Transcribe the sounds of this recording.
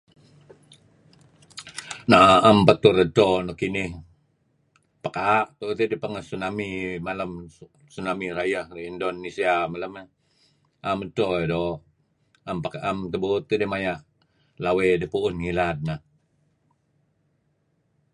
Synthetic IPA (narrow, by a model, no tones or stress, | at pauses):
naʔampat̪uɾətonokinɪh | pəkaːʔt̪ut̪idipaŋəsunamimaləm | sunamiɾajahriindonisiamaləme | ʔamətoedo | ampakaʔamt̪əbut̪ːidemajaʔ | lawedipuʊnŋilad̚na